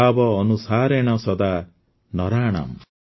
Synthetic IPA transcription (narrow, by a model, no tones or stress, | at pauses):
bɔːnusaːɾeɽ̃ɔsɔd̪a | nɔɾaːɽ̃a̰m